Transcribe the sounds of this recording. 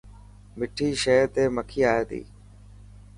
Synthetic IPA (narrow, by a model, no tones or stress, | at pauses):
mɪʈʰiːʃeːt̪eːməkʰiːaːeːt̪ḭː